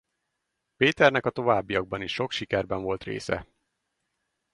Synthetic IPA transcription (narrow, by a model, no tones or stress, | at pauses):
peːt̪ɛrnɛkɒt̪o̞vaːbːijɒɡ̚bɒniʃːo̞kʃikɛrbɛɱvo̞lt̪rḛːsɛ̰